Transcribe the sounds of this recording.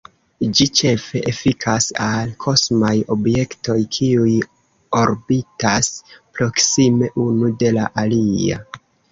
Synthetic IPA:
d͡ʒit͡ʃe̞fe̞ʔefikʰasalkʰo̞smajo̞bje̞kto̞jkʰiuj | o̞ɾbitaspɾo̞ksime̞ʔunude̞la̰ʔalia̰

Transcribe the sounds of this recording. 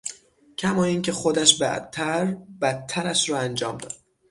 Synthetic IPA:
cʰæmɒːiːncʰe̞xod̪æʃbæ̰t̪ʰːæɾbæt̪ʰːæɾæʃɾɒːænd͡ʒɒːmd̪ɒːd̪̥

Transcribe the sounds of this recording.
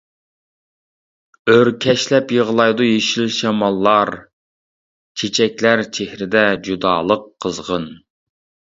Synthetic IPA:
øɾkʲʰɛʃlɛpjəʁəlˠɑjd̪ujeʃilʃɛmɑlˠːɑɾ | t͡ʃʰet͡ʃʰɛkʲlæɾt͡ʃʰehɾɪd̪ɛd͡ʒud̪ɑ̰ːlˠəqʰːəzʁən

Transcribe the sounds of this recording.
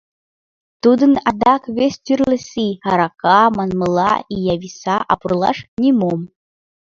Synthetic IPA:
t̪ud̪ɨnad̪akvʲesʲt̪ʲirlɨsihaɾakamanmɨlˠa̰ijavʲisaʔapʼurlˠa̰ʂnʲimom

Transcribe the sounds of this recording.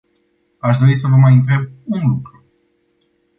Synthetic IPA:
aʃd̪o̞ɾis̬əvəmajɨnt̪ɾe̞b̚unlukɾu

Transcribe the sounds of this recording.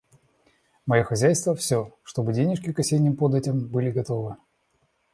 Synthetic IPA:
mɐjoxɐzʲæjst̪vəfsʲoʂt̪o̞bɨdʲenʲɪʂkʲɪkɐsʲenʲɪmpod̪ɛtʲɪmbɨlʲɪɡɐt̪o̞vɨ

